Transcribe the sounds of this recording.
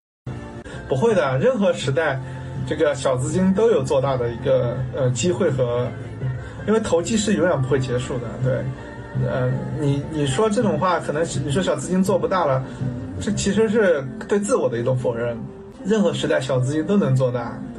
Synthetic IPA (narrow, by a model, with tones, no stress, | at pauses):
pu˧˥xwe˥˩ɪd̪ə˩ɻə˥˩nxɤ˧˥ʂɻ̩˧˥t̪a˥˧ɪ | ʈ͡ʂɤ˥˩ɡə˩ɕjɑ˨˩ʊt͡sɹ̩˥t͡ɕi˥nt̪o˥ʊjo˨˩ʊt͡swɔ˥˧t̪a˥˩d̪ə˩i˧˥ɡə˧ə˧t͡ɕi˥xwe˥˩ɪxɤ˧˥ | i˥nwe˥˩ɪt̪ʰo˧˥ʊt͡ɕi˥ʂɻ̩˥˩jŋjɛ˨˩np̬xwe˥˩ɪt͡ɕjɛ˧˥ʂu˥˩d̪ə̰˩t̪we˥˩ɪ | ə̰˥˧ni˨˩ni˨˩ʂwɔ˥ʈ͡ʂɤ˥˩ʈ͡ʂʊ˨˩ŋxwa˥˩kʰɤ˨˩nə˧˥ŋ˧˩ni˨˩ʂ̬wɔ˥ɕjɑ˨˩t͡sɹ̩˥t͡ɕi˥nt͡swɔ˥˩pu˧˥t̪a˥˩lə˩ʈ͡ʂɤ˥˩t͡ɕʰi˧˥ʂɻ̩˧˥ʂ̬ɻ̩˥˧t̪we˥˧ɪt͡sɹ̩˥˩wɔ˨˩d̪ə˦i˧˥ʈ͡ʂʊ˧˥ŋfo˨˩ɻə˥˩n | ɻə˥˩nxɤ˧˥ʂɻ̩˧˥t̪a˥˩ɪɕjɑ˨˩ʊt͡sɹ̩˥t͡ɕi˥nt̪o˥ʊnɤ˧˥ŋt͡swɔ˥˧t̪a˥˩t̪we˥˩